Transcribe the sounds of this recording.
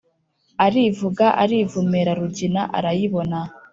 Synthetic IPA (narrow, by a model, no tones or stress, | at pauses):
aɾivuɡaʔa̰ɾivumeɾaɾuɟinaʔa̰ɾajiβona